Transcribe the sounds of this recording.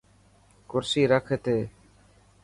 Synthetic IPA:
kʊɾsiːɾəkʰet̪eː

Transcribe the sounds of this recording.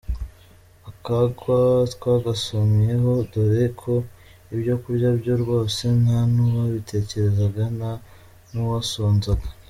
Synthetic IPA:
akaɡwatwaɡasomije̞ɦo̞doɾekʰo̞ | ibjo̞kuɾɟabɟo̞ɾɡwo̞ːse̞nhanuwaβitʰe̞ːce̞ɾe̞zaɡana | nuwasoːnzaɡḁ

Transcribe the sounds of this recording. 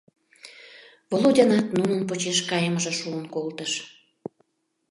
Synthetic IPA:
βolˠodʲɑnɑt̪nunənpot͡ɕeʃkɑjəməʒə̆ʃuənkolt̪əʃ

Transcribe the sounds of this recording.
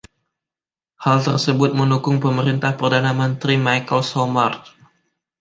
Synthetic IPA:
halt̪ərsəbʊt̪̚məndukʊŋpəməɾint̪ahpərdanamənt̪ɾimajkəlsomart̪̚

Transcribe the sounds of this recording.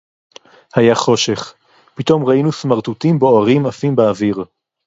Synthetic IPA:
hajaχo̞ʃe̞χ | pit̪o̞mʁainusmaʁt̪ut̪imbeoaʁimafimbeaviʁ

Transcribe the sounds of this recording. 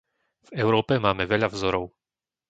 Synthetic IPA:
vɛʊɾɔːpɛmaːmɛvɛʎavzɔɾɔʊ

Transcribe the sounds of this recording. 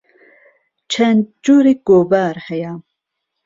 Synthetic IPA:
t͡ʃʰɛnd͡ʒuːɾiɡ̥obaːɾhɛja

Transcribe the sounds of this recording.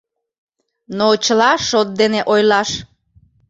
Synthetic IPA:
not͡ɕəlɑʃot̪̚d̪eneʔojlɑʃ

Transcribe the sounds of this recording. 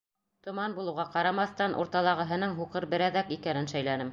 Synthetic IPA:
t̪ŏmɑnbulˠɤ̆wʁɑqɑɾɑmɑθt̪ɑnʔṵɾt̪ɑlˠɑʁɤ̆ɦɤ̆nɤɴɦuqɤɾbɘ̆ɾæðækikænɘnʃæjlænɘm

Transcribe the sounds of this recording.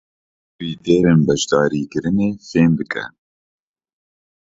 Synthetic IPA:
wiːd̪eːɾenbɛʒd̪ɑːɾiːkɨɾɨneːfeːnd̪ɨkʰɛ̰

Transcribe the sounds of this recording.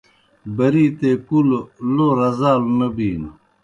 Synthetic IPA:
bɐɾiːt̪ekulloɾɐzaːlnɐbiːn

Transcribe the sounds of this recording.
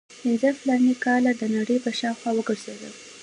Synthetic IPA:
pɪnzəflɑnikɑlad̪ənaɽəjpəʃɑwxwɑwəɡəɾzed̪ə̰l

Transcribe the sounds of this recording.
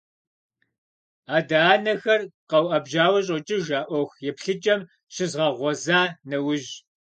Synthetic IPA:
aːdaːnɐxɐrqɐwʔɐbʒaːwɐɕ̬ʼɔt͡ʃʼɪʒaːʔʷɔxjɛpɬɨt͡ʃʼɐm | ɕɪzʁɐʁʷɔzaːnɐwʊʑ

